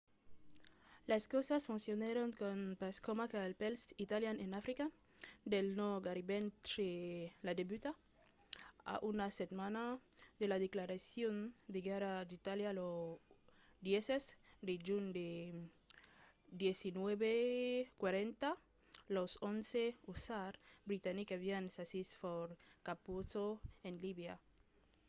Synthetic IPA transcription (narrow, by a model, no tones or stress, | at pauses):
laskosasfunsjonaɾoŋkonpaskomakalpelsit̪aljanenafɾikad̪elnoɡaɾibent̪ɾelad̪ebyt̪a | a̰ʔunaset̪manad̪elaðeklaɾasjond̪eɡaɾad̪it̪aljalo | d̪jesesd̪ed͡ʒund̪e | d̪jesinweβekwaɾent̪a | losonseusaɾbɾit̪anikaβiansasisfoɾkapusoenliβja